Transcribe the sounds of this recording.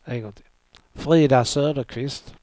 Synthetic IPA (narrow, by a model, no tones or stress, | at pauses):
ɛɡɔt̪ʰɪ | fɾiːd̪asøːd̪əkʰvɪst̪